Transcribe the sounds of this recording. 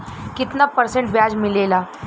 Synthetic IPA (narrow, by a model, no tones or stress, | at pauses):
kit̪napəɾseɳʈbjad͡zmilela